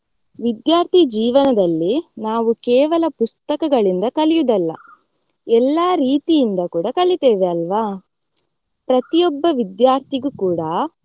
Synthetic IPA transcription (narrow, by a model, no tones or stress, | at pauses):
ʋid̪jaːɾt̪ʰid͡ʒiːʋɐnɐd̪ɐlːinaːʋukɛːʋɐlɐpust̪ɐkɐɡɐɭind̪ɐkɐlijud̪ɐlːɐ̰ | ɛlːaːɾiːt̪ijind̪ɐkuːɽɐkɐlit̪eːʋeɐlʋaː | pɾɐt̪ijɔbːɐʋid̪jaːɾt̪ʰiɡukuːɽɐ